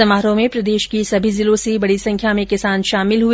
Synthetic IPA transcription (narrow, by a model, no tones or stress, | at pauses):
ɐmaːɾõmẽpɾɐd̪eːʃkisɐbʱizɪlosibɐɽisɐ̃ŋkʰjamẽkɪsaːnʃaːmɪlɦu